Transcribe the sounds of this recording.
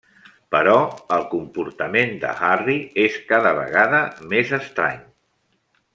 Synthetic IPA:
pəɾɔəlˠkumpuɾt̪əmend̪ə̰harieskaðəβə̰ɣaðəmezəst̪ɾa̰ɲ

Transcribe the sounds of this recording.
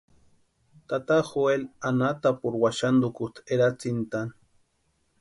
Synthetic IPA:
t̪at̪axoelanat̪apuɾwaʃand̪ukut̪ʰeɾat͡sint̪an

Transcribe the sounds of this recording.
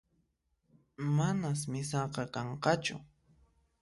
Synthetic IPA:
manasmɪsɑqɑkɑɴqɑt͡ʃʊ̰

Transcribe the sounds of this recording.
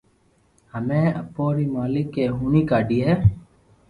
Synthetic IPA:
həmẽːəpoːɾiːmaːlɪkːeːɦuːɳiːkaːɖiːɦɛː

